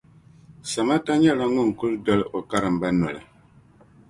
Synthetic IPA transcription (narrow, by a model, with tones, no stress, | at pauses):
sa˨ma˦ta˦ɲɛ˦la˦ŋu˦˨n˨ku˦ldɔ˦lo˨ka˦ɾɨ˨m̩˨ba˦nɔ˨lɨ̰˨